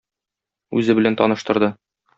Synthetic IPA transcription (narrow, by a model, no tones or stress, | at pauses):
ʉ̰zɘbɘ̆lænt̪ɒnɤ̆ʃt̪ɤ̆ɾd̪ɤ